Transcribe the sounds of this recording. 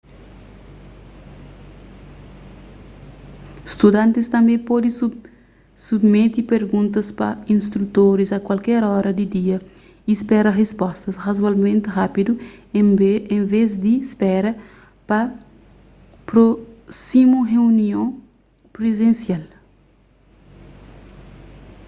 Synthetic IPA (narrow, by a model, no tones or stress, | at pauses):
st̪ud̪ãnt̪ist̪ɐ̃mbẽpɔd̪ĩ | submet̪ipeɾɡũnt̪ɐspɐ̰ĩnst̪ɾut̪oɾizɐkwalkɛɾɔɾɐd̪id̪iɐ | ispɛɾɐʁespɔst̪ɐsʁazwalmẽnt̪ɪɦapid̪u | ẽvezd̪ispɛɾɐ | pɐ | pɾosimuɦeuniõ | pɾezẽnsjal